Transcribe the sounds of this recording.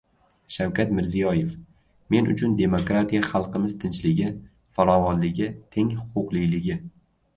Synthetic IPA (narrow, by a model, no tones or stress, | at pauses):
ʃawkʲat̪mɪɾzijɒje̞f | me̞nʔʊ̰t͡ʃʰʊnd̪e̞mokɾat̪ʰijaχɑlˠqɨmɪzt̪ʰɪnt͡ʃlɪɡʲɪ | faɾɒvɒnlɪɡʲɪt̪ʰe̞ŋhʊ̥qʰʊqlˠɪjlɪɡʲɪ